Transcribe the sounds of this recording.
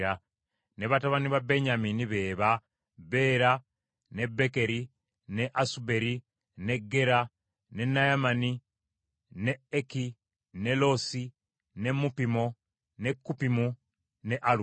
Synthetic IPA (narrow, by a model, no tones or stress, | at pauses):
a | ne̞βataβaniβabe̞ɲaminiβe̞ːβa | βe̞ːɾa | ne̞bːe̞ke̞ɾi | ne̞ʔasube̞ɾi | ne̞ɡːe̞ɾa | ne̞nːajamani | neːki | ne̞lo̞si | ne̞mːupimo̞ | ne̞kːupimu | ne̞ʔalu